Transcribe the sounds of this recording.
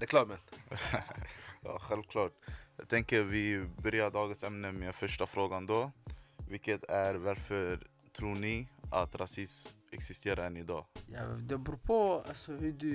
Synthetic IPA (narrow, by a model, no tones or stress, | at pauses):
ɾɛkʰlɑːmən | jɑ̰ɧɛlʋkʰlɑːʈjɛɡt̪ʰɛŋkəɾʋɪbœɾjaɖ̪ɑːɡənsɛmnəmeːfœʂʈafɾoːɡand̪ɔvɪlkət̪æɾvaɾfœɾ | t̪ʰɾuːɳɪʔat̪ɾasɪsm | ɛ̰ksɪst̪ʰeːɾaɛnɪd̪ɑːja̰d̪ɛbɾuːpʰoa̰sɔhʉd̪ʉ